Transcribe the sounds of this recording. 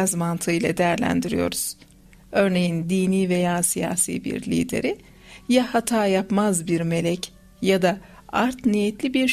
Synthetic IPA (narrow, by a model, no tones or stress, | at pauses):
azmant̪ʰɯɯjlˠa̰d̪ejæɾlʲæ̰nd̪iɾḭjo̞̰ɾuz̥ | ø̞ɾne̞jind̪iːniːve̞jaːsija̰ːsḭːbḭɾlʲḭːd̪e̞̰ɾi | jahat̪ʰaːjapmazbiɾme̞lʲɛc | jad̪a | aɾt̪nijɛt̪ʰlʲibiɾ